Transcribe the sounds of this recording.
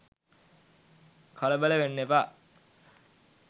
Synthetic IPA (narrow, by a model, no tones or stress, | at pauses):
kʰɔləbələʋenːepa